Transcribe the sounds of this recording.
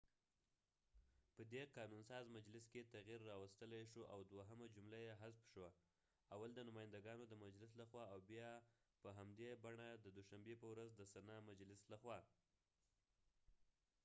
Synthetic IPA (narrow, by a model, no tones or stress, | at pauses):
pəd̪eqɑnunsɑzmad͡ʒlɪsket̪aɣiɾːɑwast̪əlajʃuʔa̰wd̪waɦəmad͡ʒumlajeɦasfʃwa | awald̪ənʊmɑjɪnd̪aɡɑnod̪əmad͡ʒlɪslaxwɑawbjɑpəɦamd̪ebaɳad̪əd̪ʊʃambepəwɾazd̪əsanɑmad͡ʒlɪslaxwɑ